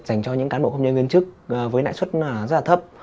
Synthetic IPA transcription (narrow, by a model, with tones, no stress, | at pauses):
za˧˩jŋ̟t͡ɕɔ˧ɲɨ̰˧˥ŋkaː˨˦mɓo̰˧˨kə˧wɲə˧nŋwi˧ənt͡ɕɨ˦˥k̚ːvəː˨˦jna̰ː˧˨jswə˦˥t̚ːzə˦˥la˨˩ə˦˥p̚